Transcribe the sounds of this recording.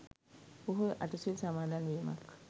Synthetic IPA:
oɦuʔaʈusilsamaːd̪anʋiːma̰k

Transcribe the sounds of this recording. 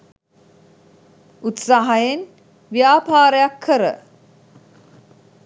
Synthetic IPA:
ut̪saɦajen | ʋjaːpaːɾəjakʰːəɾə̰

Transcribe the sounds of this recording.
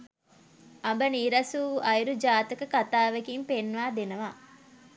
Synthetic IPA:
ɐbɐniɾɐsuːʔɐjɾud͡ʒaːt̪ɐkɐkɐt̪aːʋɐkimpenʋaːd̪enɐʋaː

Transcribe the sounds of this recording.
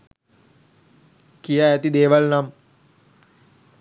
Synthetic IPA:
kijaæt̪id̪eːʋalnam

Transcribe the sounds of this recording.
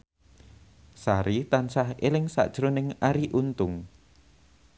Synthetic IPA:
saɾit̪ansahelɪŋsa̰ʔd̥ʒ̥ɾonɪŋaɾiʔunt̪ʊŋ

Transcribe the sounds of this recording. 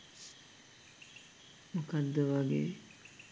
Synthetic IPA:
mukad̪ːəʋaɡḛː

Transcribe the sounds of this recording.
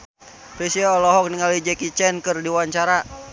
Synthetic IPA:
tisiaɔlɔɦɔk̚niŋalid͡ʒɛkit͡ʃɛnkɨrdiwaɲt͡ʃaɾa

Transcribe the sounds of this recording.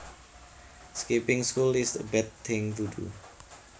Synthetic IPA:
skipɪŋskulɪst̪bɛt̪̚ːʰɪŋt̪udṵ

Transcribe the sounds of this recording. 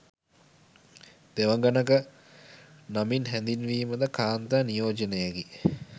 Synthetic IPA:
d̪̥eʋəŋɡanəkə | naminɦɛnd̪inʋiːməd̪əkʰaːnt̪anijoːd͡ʒənejəɡi

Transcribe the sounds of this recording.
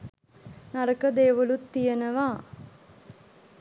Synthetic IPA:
naɾəkəd̪eːʋəlut̪ːijənəʋa

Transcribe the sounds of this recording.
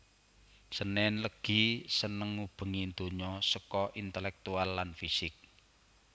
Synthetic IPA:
sənɛnləɡ̥i̤sənəŋːub̥ə̤ŋind̪o̤ɲɔsəkɔʔint̪əlɛk̚t̪ualːanfisɪk̚

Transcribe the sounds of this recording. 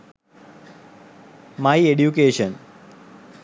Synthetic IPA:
maieɖjukeːʃə̃n

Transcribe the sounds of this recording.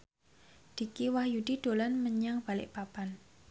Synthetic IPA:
d̪̥i̤kiwahjud̥id̪̥o̤lanməɲaŋb̥alɪ̰ʔpapan

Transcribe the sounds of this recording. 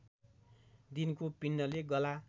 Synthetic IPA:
d̪inkopinːʌleɡʌla

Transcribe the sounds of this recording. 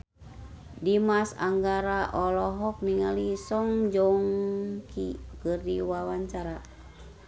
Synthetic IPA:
dimasa̰ŋɡaɾaʔɔlɔɦɔk̚niŋalisɔŋd͡ʒɔŋkikɨrdiwawaɲt͡ʃaɾa

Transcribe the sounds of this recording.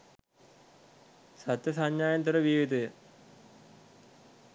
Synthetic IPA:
sɐt̪jɐs̬ɐɲjaːjɐnt̪uɾɐʋiːʋid̪ujə

